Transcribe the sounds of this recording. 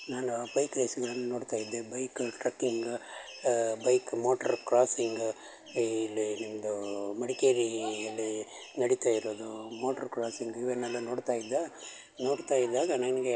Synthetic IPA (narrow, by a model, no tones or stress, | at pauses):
naːnubɐjkɾeːsɐɡɐɭɐnːɐnoːɖt̪aːjid̪ːebɐjkʈɾɐkːiŋɡ | bɐjkmoːʈɐɾkɾaːsiŋɡː | lːinimɐd̪umɐɽikeːɾiɐlːi | nɐɽit̪aːjiɾoːd̪umoːʈɐɾkɾaːsiŋɡiʋɛnːɛlːɐno̞ːɖt̪aːjid̪ːa | no̞ːɽt̪aːjid̪ːaːɡɐnɐniɡe